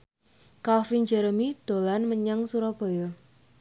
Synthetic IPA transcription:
kalfind͡ʒɛɾəmid̪̥olanməɲaŋsuɾɔb̥o̤jɪ

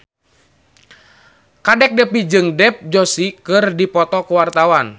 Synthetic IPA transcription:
kadɛk̚dɛpid͡ʒɨŋdɛp̚d͡ʒɔsikɨrdipɔt̪ɔkuwart̪awan

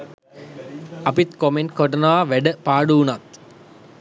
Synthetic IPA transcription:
ɐpit̪komenkoʈɐnaʋaːʋæɖəpaːɖuunat̪

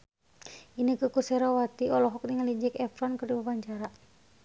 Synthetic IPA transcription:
inəkəkusɛɾawat̪iɔlɔɦɔk̚niŋalid͡ʒɛkɛfɾɔnkɨrdibapaɲt͡ʃaɾa

